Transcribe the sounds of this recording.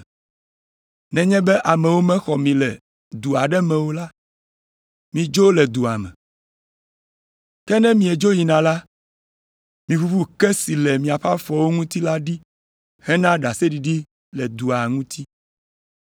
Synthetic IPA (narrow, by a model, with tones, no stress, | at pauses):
nɛ̃˨ɲɛ̃˦bɛ˦ʔa˨mɛ̃˨wo˦mɛ̃˦xɔ˨mĩ˨lɛ˨ | d̪u˨a˨ɖɛ˦mɛ̃˨wo˦la˦ | mĩ˨d͡ʒo˦lɛ˨d̪u˨a˨mɛ̰̃˨ | kɛ˦nɛ̃˦mĩ˨ɛ˨d͡ʒo˦ji˨nã˨la˦ | mĩ˨fu˦fu˦kɛ˦si˨lɛ˨mĩ˨a˨ɸa˦fɔ˨wo˦ŋũ˦t̪i˦la˦ɖi˦ | hɛ˦nã˦ɖa˨sɛ˦ɖi˨ɖi˦ | lɛ˨d̪u˨a˨ŋũ˦t̪ʰi˦